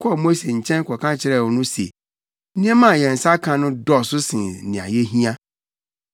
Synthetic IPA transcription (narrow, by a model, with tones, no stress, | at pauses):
kʰɔ˦ɔ˨mo˦se˨ɲ̩˨t͡ɕʰɛ̃˦n˦kʰɔ˨kã˦t͡ɕʰɪ˦ɾɛ˦˨wɔ˨nʊ̃˦sḛ˨˦ | nĩ˦ɛ̃˦mã˦˨jɛ̃˨n̩˨sa˦kʰã˨nʊ̃˦dɔ˦˨sʊ˦sɪ̃˨nnɪ̃˨a̰˨jɛ˦ɦĩ˦a˦